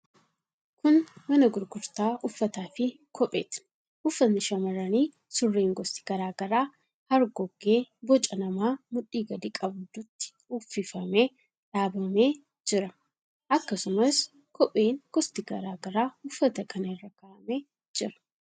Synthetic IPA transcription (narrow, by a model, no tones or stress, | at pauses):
kʊnmɐnɐɡʊɾɡʊɾt̪aːʔʊfːɐt̪aːfɪ | kʰɔpʼḛːt̪ɪ̥ | ʔʊfːɐnɪʃɐmɐɾɐniː | sʊrːeːŋɡɔst̪ɪ̥ɡ̥ɐɾaːɡɐɾaː | hɐɾɡɔɡːe̞ːbɔt͡ʃʼɐnɐmaːmʊᶑiːɡɐd̪iːkʼɐbʊd̪ʊt̪ːɪ̥ | uːfɪfɐme̞ː | ᶑaːbɐme̞ː | d͡ʒɪɾɐ | ʔɐkːɐsʊmɐs | kʰɔpʼeːŋɡ̥ɔst̪ɪɡɐ̰ɾaːɡɐɾaːʊfːɐt̪ɐkʰɐnɐɪrːɐkɐʔɐmeː | d͡ʒɪɾɐ̥